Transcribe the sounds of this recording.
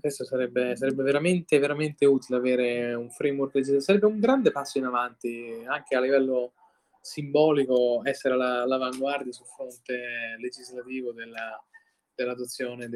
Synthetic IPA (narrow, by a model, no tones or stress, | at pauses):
kwest̪osaɾɛbːesaɾɛbːeveɾament̪eveɾament̪euːt̪ileaveːɾeuɱfɾejmwɔrkled͡ʒizasaɾɛbːeuŋɡɾand̪epasːoinavant̪iaŋk̟ealːivɛlːo | simbɔːlikoɛsːeɾelalavaŋɡward̪jasulfɾont̪eled͡ʒizlat̪iːvod̪elːa | d̪̥elːad̪ot̪sːjoːned̪